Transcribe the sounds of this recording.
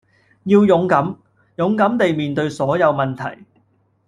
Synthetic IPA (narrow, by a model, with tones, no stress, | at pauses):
jiː˧wjʊ˨˥ŋkɐ˨˥m | jʊ˨˧˥ŋkɐ˨˥mt̪e˨jmiː˨nt̪ɵ˧ɥsɔː˨˥jɐ˨˧wmɐ˨˩nt̪ʰɐ̰˨˩j